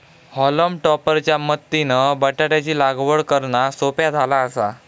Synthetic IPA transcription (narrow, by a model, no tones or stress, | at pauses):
hɔləmʈɔpəɾt͡ɕjamət̪ːinəbəʈaɽjat͡ɕiːlaɡʋəɭkəɾɳasopjad͡zʱalaəsa